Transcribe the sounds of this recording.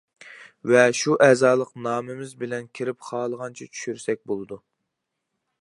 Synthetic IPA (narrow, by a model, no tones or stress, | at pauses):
vɛʃuʔɛːzɑːlˠəqnɑːmɪmɪzbɪlɛnkʲʰiɾɪpχɑːlˠəʁɑnt͡ʃʰɛt͡ʃʰy̥ʃyɾsɛk̚ʲbolˠɨd̪u